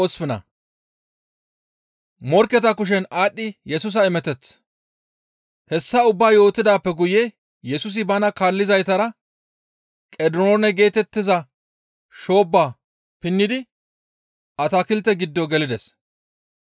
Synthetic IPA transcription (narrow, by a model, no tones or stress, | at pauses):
ɔspɪnɐ̰ | mɔɾkːɛt̪ɐkʊʃ̬ɛnaːɗːɪjɛs̬ʊs̬ɐɪmɛt̪ɛt͡sː | hɛsːɐʊbːaːjo̞ːt̪ːɪd̪aːpːɛɡʊje | jɛsʊs̬ɪbɐnɐkaːlːɪzɐjt̪ɐɾɐ | kʼɛd̪onɛɡe̞ːt̪ɛt̪ːɪzɐ | ʃo̞ːbːaː | pɪnːɪd̪ɪ | ʔɐt̪akɪlt̪ːɛɡɪd̪ːɔɡɛlɪd̪ɛs